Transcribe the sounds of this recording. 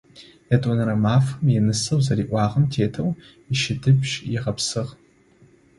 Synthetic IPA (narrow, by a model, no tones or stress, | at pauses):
jɐtʼɔnɐɾɐmaːfɐmjɛnɨsɐwzɐɾiːʔʷɑːʁɐmtʰeːtʰɐw | ɪʃɪdɨbʒjɪʁɐpsɨʁ